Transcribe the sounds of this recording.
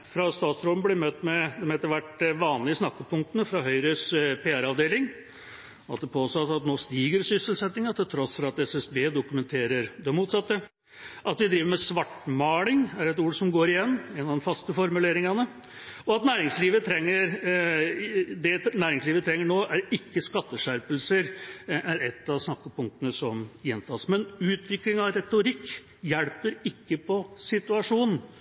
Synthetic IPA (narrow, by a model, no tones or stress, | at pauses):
fɾɑst̪ɑːt̪sɾoːən̩blɪɾmœt̪ːmɛd̪ɛmheːt̪ːəɾʋæʈʋɑːnlɪɪsnɑkːəpʰʊŋkt̪ənəfɾɑɦœʏɾəspʰeːæɾɑʋd̪eːlɪŋ | ɑt̪̚d̪ɛpʰoːst̪ɔt̪ːɑt̪noːst̪iːɡəɾsʏsəlsɛt̪nɪŋɑt̪ʰɪlt̪ʰɾɔsfɾɑɑt̪ɛsɛsbeːd̪ʊkʉmɛnt̪ʰeːɾəɾd̪ɛmuːt̪sɑt̪ːə | ʔɑt̪ʋɪd̪ɾiːʋəɾmɛsʋɑʈːmɑːɭɪŋæɾɛt̪uːɾsɔmɡoːɾɪjɛnːɛːnɑd̪ɛnfɑst̪əfɔɾmʉleːɾɪŋɑnə | ɔɑt̪næːɾɪŋsliːʋət̪ʰɾɛŋːəɾ | d̪ɛnæːɾɪŋsliːʋət̪ʰɾɛŋːəɳoːʔæɾɪkːəskɑt̪ːəʂæɾpəlsəɾæɾɛt̪ːɑʋsnɑkːəpʊŋkt̪ənəsɔmjɛnt̪ʰɑːsmɛnʉːt̪ʋɪklɪŋɑʋɾɛt̪ʊɾɪkː | jɛɽpəɾɪkːəpʰɔsɪt̪ʉɑʂuːnn̩